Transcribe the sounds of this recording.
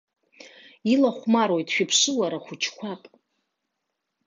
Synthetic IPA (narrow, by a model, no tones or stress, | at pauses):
ilaχʷmaɾojtʼʃᶣɪpʰʂɨlaɾaχʷʊt͡ʃʰkʷʰapʼ